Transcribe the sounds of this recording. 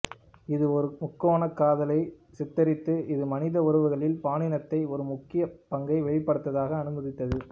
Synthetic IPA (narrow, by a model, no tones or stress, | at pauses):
ɪðɯɔɾɯmʊkːoːnɐkːaːðɐlɐɪ | sɛt̪ːɐɾɪt̪ːɯɪðɯmɐnɪðɐɔɾɯʋɯɣɐɭɪlpaːnɪnɐt̪ːɐɪɔɾɯmʊkːɪjɐpɐŋɡɐɪʋɛɭɪpːɐɽɯt̪ːɐðaːɣɐːnɯmɐðɪt̪ːɐðɯ